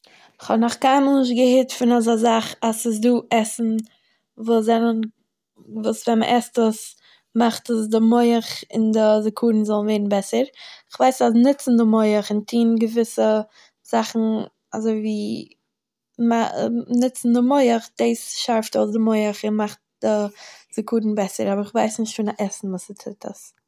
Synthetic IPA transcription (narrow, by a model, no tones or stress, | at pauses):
ɪχhɔdnɔχkaɪməlˠnɪʃ̬tɡəhɪtfɪnazazaχasɪs̬duːʔɛsn̩ | vuːɛnən | vuːsvɛnmə̰ʔɛstuːs | maχtəsdɪmoɪəχɪndəzɪkʰuːɾn̩zɔlˠn̩vɛɪɾn̩bɛsəɾɪχvaɪsasnɪt͡sn̩dəmoɪəχɪntʰiːnɡəvɪsə | z̥aχn̩ | a̰zoɪviː | manɪt͡sn̩dəmoɪəχd̥eːsʃaɾftosdɪmoɪəχɪnmaχt̚d̥ɪz̥ɪkuːdn̩bɛsə̰ɾabəɾɪχvaɪsnɪʃtfɪːnaʔɛsn̩vuːsətʰɪtʰə̰s